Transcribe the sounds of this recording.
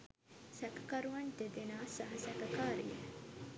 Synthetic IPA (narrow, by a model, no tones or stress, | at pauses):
sɛkɐ̥kɐɾuʋɐnd̪ed̪enaːsɐɦɐsɛkɐkaːɾije